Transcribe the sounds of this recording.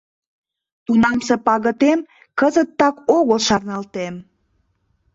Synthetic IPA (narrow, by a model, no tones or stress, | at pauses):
t̪unɑmsepɑɣət̪em | kəzət̪ːɑkoɣəlʃɑrnɑlt̪em